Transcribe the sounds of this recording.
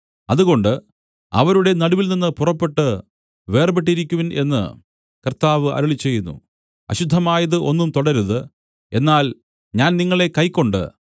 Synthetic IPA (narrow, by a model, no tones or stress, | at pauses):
ɐðuɣo̞ɳɖɨ | ɐ̰ʋɐɾuɽe̞nɐɽuʋilninːɨpurɐpːe̞ʈːɨ | ʋe̞ːrbeʈːiɾikʲːuʋinʔe̞̰nːɨ̰ | kɐrt̪aːʋɨʔɐ̰ɾɐɭit͡ɕːe̞jːunːṵ | ɐ̰ɕud̪ʱːɐmaːjɐðɨʔo̞̰nːumt̪oɽɐɾuðɨ | e̞nːaːl | ɲaːnniŋːɐɭe̞kɐjkːo̞ɳɖɨ̰